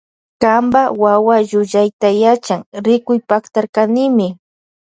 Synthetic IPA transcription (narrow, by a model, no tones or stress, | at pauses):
kambawawaʒʊʎajt̪ajat͡ʃaŋɾɪkʊjpakt̪aɾkanɪmɪ